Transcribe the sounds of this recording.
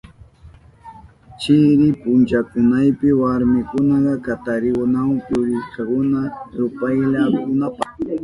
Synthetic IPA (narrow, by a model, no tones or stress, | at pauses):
t͡ʃɪɾɪpʊnt͡ʃakʊnajpɪwaɾmɪkʊnɑɢɑkat̪aɾɪwʊnawpʊɾɪskɑkʊnaɾʊpajʎakʊnapɑ